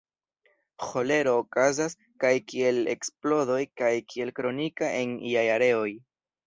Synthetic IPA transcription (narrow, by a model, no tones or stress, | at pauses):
xo̞le̞ɾo̞ːkazas | kajkie̞le̞̰ksplo̞do̞jkajkie̞lkɾo̞nikaʔeniajaɾe̞o̞j